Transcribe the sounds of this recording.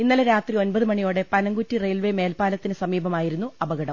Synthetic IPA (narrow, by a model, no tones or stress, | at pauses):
inːɐleɾaːt̪rio̞nbɐðɨmɐɳijo̞ːɽe̞pɐnɐŋɡutːirejlʋe̞me̞ːlpaːlɐt̪ːinɨsɐmiːbʱɐmaːjiɾunːuɐbɐɣɐɽɐm